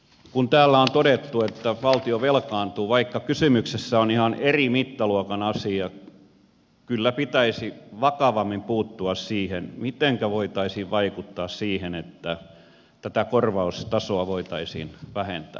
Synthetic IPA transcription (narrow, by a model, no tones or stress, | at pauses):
kunt̪æːlːæont̪oɾet̪ːuet̪ːæʋɑlt̪ioʋelkɑːnt̪uːʋɑikːɑkysymyksesːæonihɑnerimit̪ːɑluokɑnɑsiɑ | kylːæpit̪æisiʋɑkɑʋɑmːimpuːt̪ːuɑssiːhenmit̪eŋkæʋoit̪ɑisiːʋʋɑikut̪ːɑːssiːhenet̪ːæ | t̪æt̪ækorʋɑust̪ɑsoɑʋoit̪ɑisḭːnʋæhent̪æ̰ː